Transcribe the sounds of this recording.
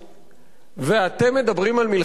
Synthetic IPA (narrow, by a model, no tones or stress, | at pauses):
veat̪e̞mːe̞d̪abʁimalmil